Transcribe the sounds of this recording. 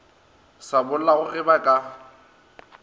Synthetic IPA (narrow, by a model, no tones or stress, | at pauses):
sabʊl̩laɣʊʔɪbakʼa